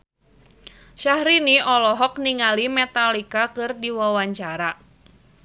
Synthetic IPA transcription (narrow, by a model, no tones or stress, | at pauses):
ʃahɾiniɔlɔɦɔkniŋalimɛt̪alikakɨrdiwawaɲt͡ʃaɾa